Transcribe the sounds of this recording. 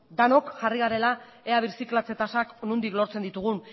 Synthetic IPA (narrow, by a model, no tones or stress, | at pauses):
d̪ano̞kʝariɣaɾe̞la | eaβ̞iɾsiklat͡se̞t̪asaknund̪iklo̞ɾt͡sed̪it̪uɣ̞un